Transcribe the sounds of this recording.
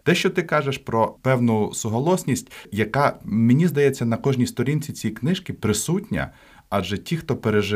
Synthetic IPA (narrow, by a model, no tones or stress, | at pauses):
t̪ɛʃt͡ʃɔt̪ɪkɑʒeʃpɾɔpɛwnʊsʊɦɐlˠɔsʲnʲisʲtʲjɐkɑmenʲizd̪ɐjɛt͡sʲːɐnɐkɔʒnʲist̪ɔɾʲinʲt͡sʲit͡sʲijiknɪʃkɪpɾɪsutʲnʲɐ̰ | ɑd͡ʒɛtʲixt̪ɔpeɾeʒɪ